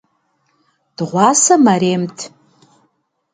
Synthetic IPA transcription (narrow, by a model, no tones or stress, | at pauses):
d̥ʁʷɑsamaɾeːmtʰ